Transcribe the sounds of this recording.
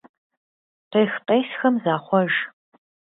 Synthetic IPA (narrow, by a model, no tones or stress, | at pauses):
qeːxqʼejsxɐmzaːχʷɔʒ